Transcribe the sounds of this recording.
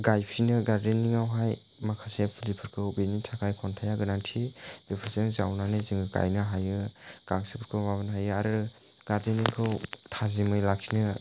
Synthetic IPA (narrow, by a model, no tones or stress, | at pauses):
ɡajpʰinɯɡaɾdenːiŋawɦaj | makʰasepʰulipʰɯɾkʰɯwbinitʰakʰajkʰɔntʰajaɡɯnaŋtʰibipʰɯɾseŋzawnanɯziŋɯka̰jnɯɦajɯɡ̥aŋsipʰɯɾkʰɯwbaβanɦajɯaɾɯ | ɡ̥aɾdeniŋkʰɯwtʰazimɯjlakʰinɯ